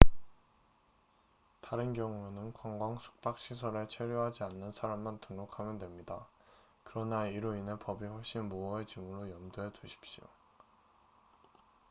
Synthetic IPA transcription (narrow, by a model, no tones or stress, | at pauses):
taɾɯnɡjʌŋuenɯnkwaŋɡwaŋsʰu̥k̚p͈ak̚ɕ͈isʰʌɾe̞t͡ɕʰeɾjoɦad͡ʑianːɯnsʰaɾamːantɯŋɾokʰamjʌndwemɲida | kɯɾʌnaiɾoinepʌbiɸʌɭɕ͈inmoʌet͡ɕimuɾojʌmdoɦed͡ʑuɕʰi̥p̚ɕ͈io̰